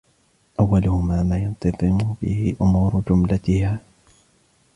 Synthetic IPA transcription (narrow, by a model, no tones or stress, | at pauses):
ʔawːalʊhʊmaːmaːjʊnt̪ɑðˤɨmʊb̥ɪhɪʔʊmuːɾʊd͡ʒʊmlat̪ɪhaː